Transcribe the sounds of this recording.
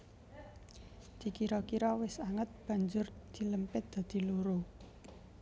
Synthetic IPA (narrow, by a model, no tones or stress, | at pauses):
d̪̥i̤kiɾɔkiɾɔwɪsaŋət̪̚b̥a̤ɲd͡ʒʊrd̪̥i̤ləmpɪt̪̚d̪̥a̤d̪̥i̤luɾo